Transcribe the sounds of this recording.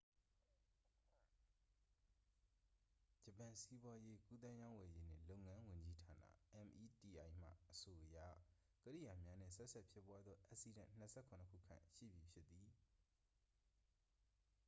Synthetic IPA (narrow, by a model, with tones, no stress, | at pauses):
d͡ʑə˨pã˨si˦bwa˦je˦ku˦t̪ã˦jã˦ʊ̃wɛ˨je˦n̥ɪ̰̃˦˨lo˦ʊʔŋã˦wʊ̃˨ɲd͡ʑi˦tʰa˨nä̰˦˨ʔɛ̃˨mʔi˨ti˨ʔa˨ɪ̃m̥ä̰˦˨ʔəso˨ʔəja̰˦˨ | kəɾḭ˦˨ja˨mja˦nɪ̰̃˦˨sɛ˦ʔsʰɛ˦˨pʰjɪ˦pːwa˦d̪ðɔ˦ʔa˦ʔsi˨dã̰˨n̥ə˦sʰɛ˦˨kʰʊ̃˨nəkʰṵ˦˨kʰã̰˦˨ʃḭ˦˨bji˨pʰjɪ˦t̪ːði˨